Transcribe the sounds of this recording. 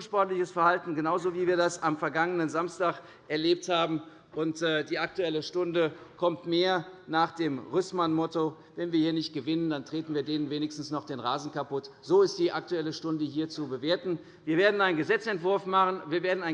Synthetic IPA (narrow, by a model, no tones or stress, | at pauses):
nʃpɔɐtlɪçəsfɛɐhaltn̩ɡənaʊzoːviːviːɐdasamfɛɐɡaŋənənzamstaːχ | ʔɛɐleːp̚thaːbm̩ | ʔʊntɛːdiːʔak̚tuɛləʃtʊndəkʰɔmtmeːɐnaːχd̥eːmʁʏsmanmɔto | vɛnviːɐhiːɐnɪçt̚ɡ̥əvɪnəndantʁ̥eːtn̩viːɐdeːnənveːnɪçstn̩snɔχd̥eːnʁaːzn̩kapʊtz̥oːɪst̚d̥iːʔak̚tuɛləʃtʊndəhiːɐt͡subəveːɐtn̩ | viːɐveːɐdn̩aɪnɡəzɛt͡sɛntv̥ʊɐfmaχənviːɐveːɐdn̩aɪ